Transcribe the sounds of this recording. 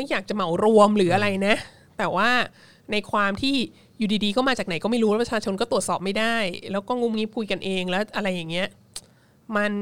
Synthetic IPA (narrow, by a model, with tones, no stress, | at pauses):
a˥˩jaː˨˩k̚t͡ɕa˨˩ma˨˩˦wɾu˧əmɾɯː˩˦ʔa˧ɾa˧jna˦˥ʔ | t̪ɛː˨˩waː˥˩ | na˧jkʰwaː˧mt̪ʰiː˥˩ | juː˨˩diː˧diː˧kɔː˥˩maː˧t͡ɕaː˨˩kna˩˦jkɔː˥˩ma˥˩ɾu˦waː˥˩pɾa˧t͡ɕʰaː˧t͡ɕʰo˧nkɔ˥˩u˨˩ət̪sɔː˨˩p̚ma˥˩jdaː˥˩jlɛː˦˥wkɔː˥˩ŋu˦˥mŋi˦˥p̚kʰu˧jka˧nʔeː˧ŋlɛ˦˥wʔa˧ɾa˧jːaː˨˩ŋːi˦˥ɐ | ma˧n